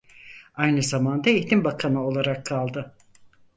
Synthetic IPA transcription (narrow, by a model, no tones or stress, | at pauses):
ajnɯzamand̪aiçt̪imbakʰanɯo̞lˠaɾakʰːalˠd̪ɯ